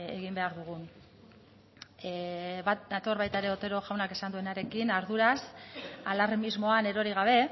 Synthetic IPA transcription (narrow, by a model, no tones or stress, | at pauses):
e̞ɣimbe̞aɾðuɣun | βadat̪o̞ɾβajt̪aeɾe̞o̞t̪e̞ɾo̞ʝawnake̞sand̪uenaɾe̞kinaɾðuɾasalarmizmo̞ane̞ɾo̞ɾiɣ̞aβ̞e̞